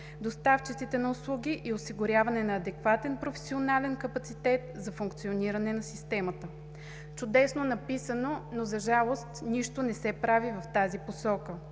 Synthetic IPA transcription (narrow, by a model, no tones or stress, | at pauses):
d̪ost̪aft͡ʃit̪sit̪ɛnɐʊslˠuɡʲiʔiosiɡʊɾʲjavɐnɛnɐːd̪ɛkvat̪ɛnpɾofɛ̥sionalɛnkɐpɐt̪sit̪ɛt̪̚zɐfuŋkt̪sioniɾɐnɛnɐsist̪ɛmət̪ə | t͡ʃʊd̪ɛsnonɐpisənonozɐʒalˠost̪niʃt̪ʊnɛsɛpɾavivɐft̪aziposɔkə